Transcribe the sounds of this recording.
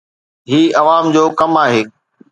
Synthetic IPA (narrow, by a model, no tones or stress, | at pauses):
ɦiːɐʋaːmd͡ʑoːkɐmaːɦeː